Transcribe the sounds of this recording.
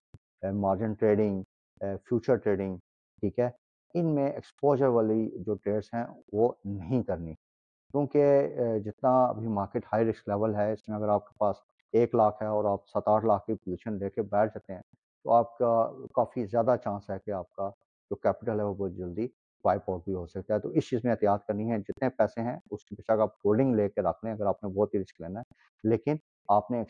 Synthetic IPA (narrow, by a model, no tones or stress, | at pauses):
maːɾd͡ʒɪnʈɾeːɖɪ̃ŋɡ | fʰjuːt͡ʃəɾʈɾeːɖɪ̃ŋɡ | ʈʰiːkɦɛː | ɪnmẽɛkspoːʒəɾʋaːlid͡ʒoːʈɾeːɖsɦɛ̃ʋonɐɦĩkɐɾni | kjũːked͡ʒɪt̪naɐ̰bʱimaːɾkeʈhaːiɾɪksklɛːʋəlɦɛɪsmẽɐɡəɾaːp̚ke̥paːs | eːklaːkʰɦɛɔːɾaːp̚sɐt̪aːɾlaːkʰkipʊluːʃənleːkebɛːʈʰd͡ʒaːt̪eɦɛ̃ː | t̪o̰aːp̚kakaːfizjaːd̪at͡ʃãːsɦɛkeaːp̚ka | d͡ʒoːkɛːpɪʈəlɦɛʋobɔːt̪d͡ʒɐld̪i | ʋaːɪpɔːʈ̚bʱiɦoːsɐk̚t̪aɦɛt̪o̰ɪst͡ʃiːzmẽɪːt̪jaːt̪kɐɾniɦɛ̃d͡ʒɪt̪nepɛːseɦɛ̃ʊskibɪʃakaːp̚koːlɖɪ̃ŋɡleːkeɾɐkʰlẽɐɡəɾaːpnẽbɔːt̪ɦiɾɪskleːnaɦɛ | leːkɪn | aːpnek